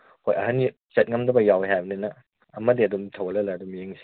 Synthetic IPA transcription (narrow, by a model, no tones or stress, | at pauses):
hojʔɐ̰ɦɐn | t͡ʃɐt̚ŋɐmdɐbɐjaweɦajbɐninɐː | mɐdiɐdumtʰɐwɐlɐlaɐdumjeŋsi